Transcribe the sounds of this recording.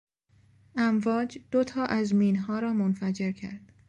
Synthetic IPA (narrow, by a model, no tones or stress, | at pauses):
ʔæmvɒːd͡ʒd̪̥ot̪ʰɒːʔæzmiːnɦɒːɾɒːmonfæd͡ʒe̞ɾcʰæ̰ɾd̪̥